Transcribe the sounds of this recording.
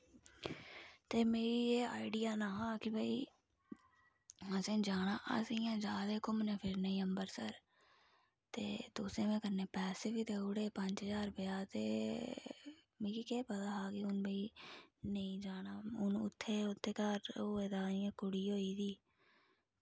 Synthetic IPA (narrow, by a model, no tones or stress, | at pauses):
t̪eːmeːɾiːeːaːɪɖɪjaːnaːɦaːkɪbʱəḭː | əsẽːd͡ʒaːɽ̃aːʔə̰sĩːãːd͡ʒaːd̪eːkʊmnẽːpʰɪɾnəĩːəmbəɾsəɾ | t̪ḛːt̪ʊːsẽːmɛ̃ːkəɾneːpɛːseːbiːt̪eːʊɽeːpəɲd͡ʒd͡ʒaːɾpəjaːt̪ḛː | mẽːkikeːpət̪aːɦaːkɪʊnbʱiːnəĩːd͡ʒaːɽ̃aːʊnʊ̰t̪ʰːeːʊt̪ʰːeːkəɾoːeːd̪aːiãːkʊɽiːɦoːiːd̪iː